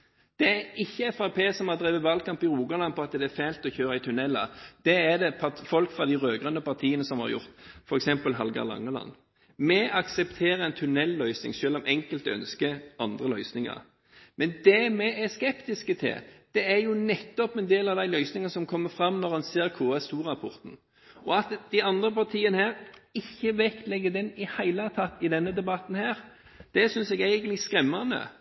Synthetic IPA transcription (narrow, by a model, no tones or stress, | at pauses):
d̪̥ɛæɾɪçːəfʁɑpʰeːsɔmɑd̪ʁiːʋəʋɑlkʰɑmpɪɾuːɡɑnlɑnpʰɔɑt̪d̪ɛæɾfæɪlt̪ɔçøːɾəɪt̪ʰʉnɛlːɑ̰d̪̥ɛːd̪ɛpʰɑfɔlkfʁɑd̪ɪʁøːɡʁœnːəpɑʁt̪ʰiːənəsɔmhɑ̰ɾjʊ̰ʁt̪fɔɾɛksɛmpəlɦɑlɡɑ̰lɑ̰ŋːəlɑ̰nː | mɛɑksɛpt̪ʰeːɾəɛnt̪ʰʉnɛlːœʏsnɪ̰ŋʃøːlɔmʔɛŋkəlt̪œ̰nskəɑnd̪ʁəlœʏsnɪŋɑ̰ɾ | mɛnd̪ɛmɛɛskɛpt̪ɪskət̪ʰɪ̰ld̪̥ɛæʁjʊnɛt̪ːɔpɛnd̪eːlɑʋd̪æɪlœʏsnɪŋəsɔmkʰɔmːəfʁɑmnɔʁhɑnseːʁkʰoːɛst̪uːʁɑpʰɔʁt̪n̩ | ɔɑt̪d̪æɪɑnd̪ʁəpɑʁt̪ʰiːənəhæːʁɪçːəʋɛkt̪lɛɡəd̪ɛnɪhæɪlət̪ʰɑt̪ːɪd̪ɛnːəd̪ɛbɑt̪n̩hæːɾ | d̪̥ɛsʏnsɛɡæɪɡənɪskɾɛmːɑnə̰